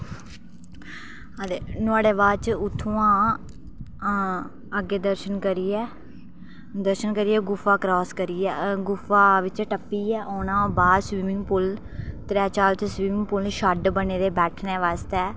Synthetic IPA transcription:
əd̪eːnʊaːɽeːbaːd̪t͡ʃʊt̪ʰːũːãː | əɡːeːd̪əɾʃənkəɾiːɛː | d̪əɾʃənkəɾiːɛːɡʊfaːkɾɔːskəɾiːɛːɡʊfaːʋɪt͡ʃɛːʈəpːiːɛːʔoːnãːbaːd̪sʋiːmɪŋɡpʊl | t̪ɾɛːt͡ʃaːɾt̪ʰːsʋiːmɪŋɡpʊlʃəɖbəneːd̪eːbɛːʈʰneːʋaːst̪ɛː

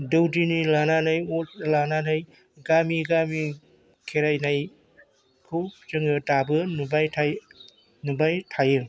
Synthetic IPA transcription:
dɯwdinilananajotlananaj | ɡamiɡami | kʰeɾajnaj | kʰɯwt͡ʃɯŋɯtabɯnubajtʰaj | nubajtʰajɯ

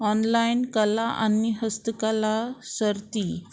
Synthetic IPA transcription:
ɔnlainkəlaʔa̰niɦəst̪əkalasəɾt̪iː

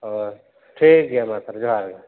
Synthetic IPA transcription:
ɔ | ʈʰiːk̚ɡejamat̪ɾd͡ʒoɦaɾɡa

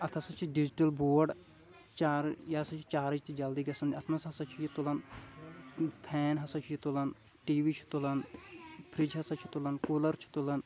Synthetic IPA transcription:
ɐt̪ʰɐsɐt͡ʃʰiɖid͡ʒiʈɐlboːɾɖ | t͡ʃaɾjɐsɐt͡ʃʰi̥t͡ʃaːɾid͡ʒt̪ʰid͡ʒɐld̪iːɡɐsɐnd̪iɐt̪ʰmɐsɦɐsɐt͡ʃʰijit̪olɐn | pʰɛːnɦɐsɐt͡ʃʰijit̪ulɐn | ʈiːʋiːt͡ʃʰu̥t̪olɐnpʰɾid͡ʒɦɐsɐt͡ʃʰi̥t̪olɐnkuːlɐɾt͡ʃʰu̥t̪olɐn

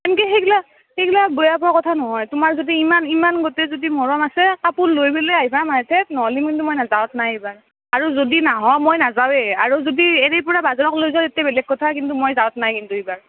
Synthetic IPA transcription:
ɛmkɛxeɡla | heɡlabojap̬ɔakɔtʰanɔɦɔjtʊmaɹzodiimanimanɡotɛzodimɔɹɔmasɛapʊnlojbelɛaɦibʰamatʰɛtnɔɦɔlimkintumojnazawɔtnajebaɹ | aɹuzodinaɦɔmojnazawɛaɹuzodiɛɹɛjpɔɹabazɔɹɔklojzɔtetabɛlɛɡ̚kɔtʰakintumojzawɔtnajkintuebaɹ

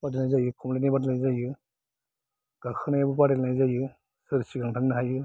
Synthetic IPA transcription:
padelnajzajɯkʰɔmlinabadlnajzajɯ | ɡ̥akʰɯnajabup̬aɾelnajzajɯ | sɯɾsiɡaŋtʰaŋnɯɦajɯ

